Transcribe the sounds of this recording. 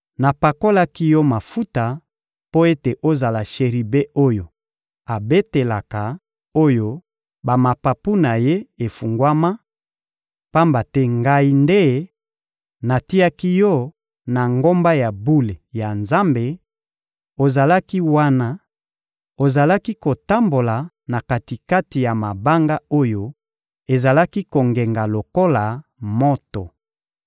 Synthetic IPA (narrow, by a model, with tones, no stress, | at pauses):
na˨pa˨ko˦la˦ki˦jɔ˦ma˨fu˦ta˨ | po˦e˦te˨ʔo˦za˨la˨ʃe˨ʁi˨be˦ʔo˦jo˨ | a˨be˦te˨la˨ka˨ | o˦jo˦ | ba˨ma˨pa˨pu˦na˨je˦e˨fu˨ŋɡwa˦ma˦ | pa˦mba˨tɛ˦ŋɡa˦i˦nde˦ | na˨ti˦a˦ki˦jɔ˦ | na˨ŋɡo˦mba˦ja˨bu˦le˨ja˨nza˦mbe˨ | o˨za˨la˦ki˦wa˦na˦ | o˨za˨la˦ki˦ko˨ta˦mbo˨la˨ | na˨ka˨ti˨ka˦ti˨ja˨ma˨ba˦ŋɡa˦o˦jo˦ | e˨za˨la˦ki˦ko˨ŋɡe˨ŋɡa˨lo˨ko˦la˨mo˦to˨